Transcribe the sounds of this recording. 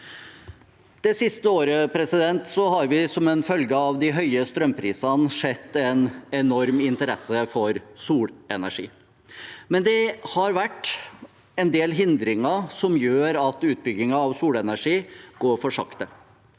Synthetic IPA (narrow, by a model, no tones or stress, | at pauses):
d̪̥ɛsɪst̪əoːɾəpʰɾɛsɪd̪ɛnt̪sɔhɑɾʋɪsɔmɛnfœlɡəɑʋd̪ɪɦœʏəst̪ɾœmpʰɾiːsɑnʂɛt̪ːɛnɛnɔɾmɪnt̪əɾɛsːəfɔɾsuːɽɛnæʂḭː | mɛnd̪ɛhɑɾʋæʈː | ɛnd̪eːlɦɪnd̪ɾɪŋɑsɔmjøːɾɑt̪ʉːt̪̚bʏɡːɪŋɑːʋsuːlɛnæʂiːɡ̥oːɾfɔʂɑ̰kt̪ə